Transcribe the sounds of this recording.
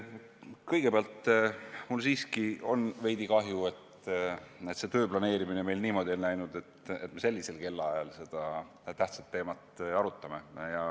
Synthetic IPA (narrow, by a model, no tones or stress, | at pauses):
kɤjɡepeɑlt̪ˑmulsiːskio̞nve̞jd̪ikɑɦjue̞t̪ | e̞t̪se̞t̪ø̞ːblɑne̞ːɾiminemejlniːmo̞d̪ʲionnæjnud̪̥e̞t̪e̞t̪ːme̞se̞lʲːise̞lke̞lːɑɑjɑlse̞d̪̥ɑ | t̪æht̪sɑt̪ːe̞ːmɑt̪ɑɾut̪ːˑɑme̞jɑ